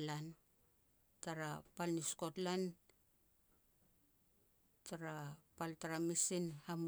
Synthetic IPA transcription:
lan | taɾapalnisko̞tlan | taɾapaltaɾamisinham

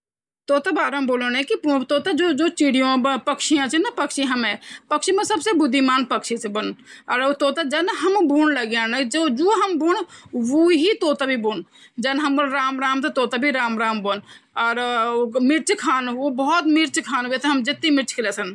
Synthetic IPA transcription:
t̪oːt̪abaːɾəmboːlənɛkit̪oːt̪ad͡ʒoːd͡ʒoːt͡ʃiɽijõpəkʃijãt͡ʃinɐpəkʃiɦɐmɛ̃pəkʃʰimẽsɐbsebʊd̪ʱːimaːnpəkʃʰisebənɔːɾot̪oːt̪ad͡ʒɐnɦɐmbuːnləɡjãːnəd͡ʒod͡ʒoːɦɐmbuːnʋoɦit̪oːt̪abʱibuːn | d͡ʒɐnɦəmboːlɾaːmɾaːmt̪et̪oːt̪abʱiɾaːmɾaːmbon | ɔːɾmɪɾt͡ʃkʰaːnobɔɔt̪mɪɾt͡ʃkʰaːnet̪ʰeɦɐmd͡ʒɪt̪ːimɪɾt͡ʃkeleːsən

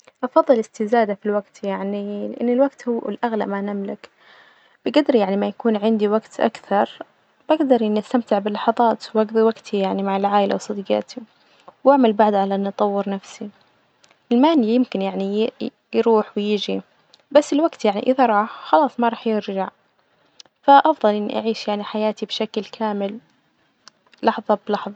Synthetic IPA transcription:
ʔɑfɑðˤːɨlɪst̪ɪzaːd̪afilwaɡt̪jaʕnilɪʔanːɪlwaɡt̪hʊɪlʔaɣla̰ʔmanamlɪk | b̥ɪɡad̪ɾjaʕnimajakuːnʕɪnd̪iwaɡt̪ʔa̰kθɑɾˤ | baɡd̪ɑɾˤɪnʔast̪amt̪ɪʕbɪlːɑħɑðˤɑːt̪wɑɡðˤiwaɡt̪ʰijaʕnimaʕalʕaːʔɪlʔa̰wsˤɨd̪ɡɑ̰ːt̪ʰi | waʕmalbaʕd̪ʕalaʔanːʔɑt̪ˤɑwːɪɾnafsi | ʔɪlmaːnijɪmkɪnjaʕni | jɾuːħwɪjɪd͡ʒi | basːɪlwaɡt̪jaʕniʔɪðaɾˤɑːħxɑlɑːsˤmɑɾˤɑːħjɪɾʒaʕ | faʔɑfðˤɑlʔɪnːḭʔaʕiːʃjaʕniħajaːt̪ibʃaklkʰaːmɪl | lɑħðˤɑblɑħðˤɑ

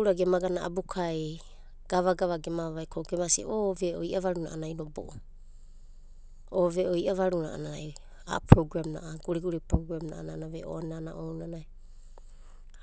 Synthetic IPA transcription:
ɾaɡemaɡanaa̰bukʰaj | ɡ̥aβaɡaβaɡemaβajkʰoɡemasḭʔoveʔoiʔaβaɾunaʔanajnobo̰ʔo | oveʔoiʔaβaɾunaa̰naaj | a̰pɾoɡɾamna̰ʔaɡ̥uɾiɡuɾipɾoɡɾamnaʔananaβḛʔo̰anana̰ʔownanaj

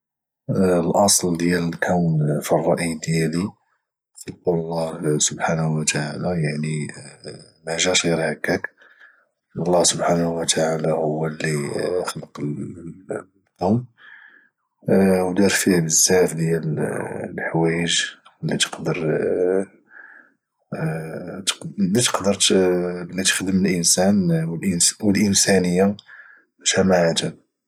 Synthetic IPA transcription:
lʔɑsˤld̪jælkʰæwnfirˤːɑʔid̪jæli | siqullˤːɑhsʊbħanhwt̪aʕalæjaʕni | mæʒæʃɣiɾhækːæk | ɑlˤːɑhsʊbħanwət̪ʰaʕalahʊwːəlːiəxləql | d̪om | wd̪ɑɾˤfihbəzːæfd̪jællħwæjəʒlːit̪ə̥qd̪əɾ | t̪lːit̪ə̥qd̪əɾlːit̪ə̥xd̪əməlʔənsænwəlʔəwəlʔənsænəjːa | bæʃæmaʕad̪æb

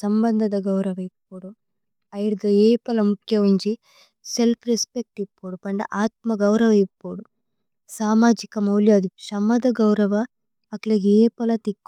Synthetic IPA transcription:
sɐmbɐnd̪ʱɐd̪ɐɡɐwɾɐʋɐipːoːɽu | ɐjɽd̪ɐeːpɐlɐmukʰjɐʋiɲt͡ʃi | selpʰɾespek̚ʈipːoːɽupɐɳɖɐ̰ʔaːt̪mɐɡɐwɾɐʋɐipːoːɽu | saːmaːd͡ʒikɐmɐwljaːd̪iʃɐmɐd̪ɐɡɐwɾɐʋɐː | klɐɡeːpɐlɐt̪ikː

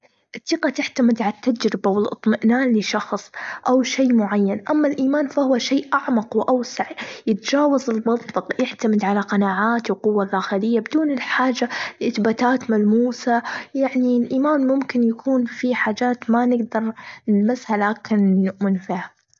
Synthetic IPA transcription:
ʔɪt̪ˤːiːqɑt̪ɪħt̪amɪd̪ʕalat̪ːad͡ʒɾɪbawɪlʔɨ̰t̪ˤmɪʔnaːnlɪʃɑxsˤʔawʃeːmʊʕajːanʔamːalʔiːmaːnfahʊwaʃeːʔʔaʕmɑqwʔawsaʕjɪt̪d͡ʒaːwazɪlmɑt̪ˤfɑqjɪħt̪amɪd̪ʕalaqɑnaːʕaːt̪wqʊwːalʔaːxɪlɪjːabɪd̪uːnɪlħaːd͡ʒalʔɪθbaːt̪aːt̪malmuːsajaʕnilʔiːmaːnmʊmkɪnjakʰuːnfiħaːd͡ʒaːt̪manɪɡd̪ɑɾˤnɪlmashalaːkɪnːʊʔmɪnfiːha

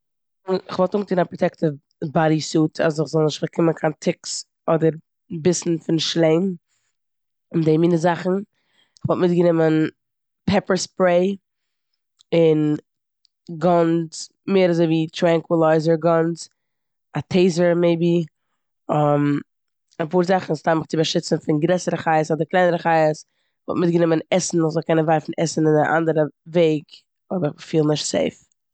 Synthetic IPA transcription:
ɪχvɔlˠtuŋɡətiːnapɾɔtɛktə | baɾisuːtʰa̰sɪχzɔlˠnɪʃtfakʰɪmənkʰaːntʰɪks | ɔdəɾ | bɪsn̩fɪnʃlˠeɪm | ɪndeɪmiːnəzaχn̩ | ɪχvɔlˠtmɪt̚ɡənɪmən | pʰɛpəɹspɾeɪ | ɪn | ɡɔnz | meːɾazoɪviːtɾaŋkwɪlˠaɪzəɹɡɔns | atʰeɪzəɾmeɪbi | ɔm | apuːɾzaχn̩ɪstaɪməχt͡sɪbaʃɪt͡sn̩fɪnɡɾɛsəɾəχaɪəsɔdɪklˠaɪnəɾəχaɪəs | vɔ̰lˠtmɪt̚ɡənɪmənɛsn̩ʊzɔlˠkɛnənvaɪfn̩ɛsn̩ɪnɪʔa̰ndəɾəveɪɡ | ɔɪbəɪəfiːlˠnɪʃtsḛɪf

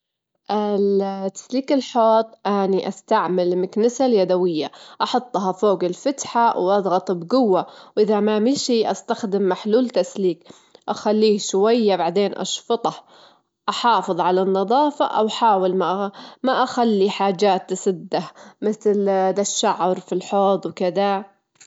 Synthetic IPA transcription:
ʔɪt̪ːḁsliːkɪlħoːt̪ˤʔaniʔast̪aʕmalmɪknɪsaljad̪awɪjːaʔɑħɑt̪ˤːɦɑfoːɡɪlfat̪ħawʔɑd̪ˤɣɑt̪ˤbɡʊwːawʔɪðamamiʃiːʔast̪axd̪ɪmːaħluːlt̪asliːk | ʔaxalːiːʃwajːabaʕd̪eːnʔɑ̰ʃfɑt̪ˤɑh | ʔɑħɑːfɨðˤʕalanːɑðˤɑːfɑ̰ʔa̰wħaːwɪlmaʔmaʔaxalːiħaːd͡ʒaːt̪ʔasɪd̪ːahmɪθld̪aʃːaʕɾfilħoːt̪ˤwkɪd̪a

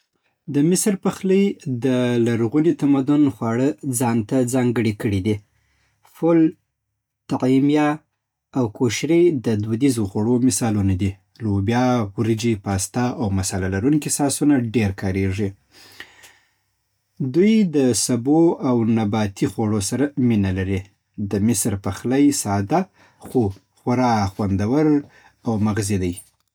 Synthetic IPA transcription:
d̪əmɪsɾpəxləjd̪əlaɾɣunit̪amad̪ʊnxwɑɽəd͡zɑnt̪ad͡zɑŋɡəɽikəɽid̪i | fʊl | t̪aqimjɑ | awkoʃɾed̪əd̪ud̪izoxaɽomɪsɑlunad̪i | lobjɑwɾid͡ʒipɑst̪ɑʔawmasalalaɾuŋkisɑsunaɖeɾkɑɾeʐi | d̪ujd̪əsaboawnabɑt̪ixaɽosaɾaminalaɾi | d̪əmɪsɾpaxlajsɑd̪a | xo | xaɾɑxwand̪awəɾ | awmaɣzid̪aj

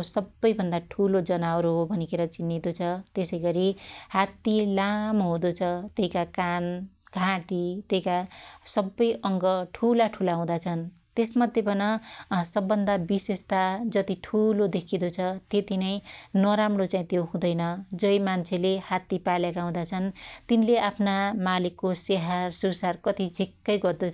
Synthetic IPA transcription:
sʌbːʌjbʱʌnd̪aʈʰulod͡zʌnawɾobʱʌnikeɾʌt͡sinːid̪ot͡sʰʌt̪esʌjɡʌɾihat̪ːilamoɦũd̪ot͡sʰʌt̪eikakanɡʱãʈit̪eikasʌbːʌjʔʌŋɡʌʈʰulaʈʰulaũd̪at͡sʰʌn | t̪esmad̪ʱjepʌnʌsʌbːʌnd̪abisest̪ad͡zʌt̪iʈʰulod̪ekʰid̪ot͡sʰʌt̪et̪inʌj̃nʌɾamrot͡saĩt̪joɦũd̪ʌjnʌd͡zʌjmant͡sʰelehat̪ːipaljekaũd̪at͡sʰʌnt̪inleʔapʰnamalikːoseɦarsursarkʌt̪id͡zʱikːʌjɡʌrd̪ot͡sʰʌ

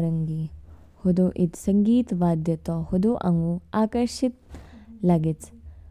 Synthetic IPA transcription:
ɾɐŋɡi | hud̪oʔit̪sɐŋɡiːt̪ʋaːd̪jɐt̪ohud̪uʔɐ̰ŋɡuaːkɐɾʃit̪laɡit͡s

